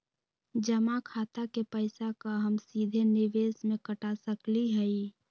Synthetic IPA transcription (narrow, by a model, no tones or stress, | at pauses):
d͡ʒəmakʰaːt̪akepəɪsakaɦəmsiːd̪ʱenɪʋeːsmẽkəʈasəkliɦɛi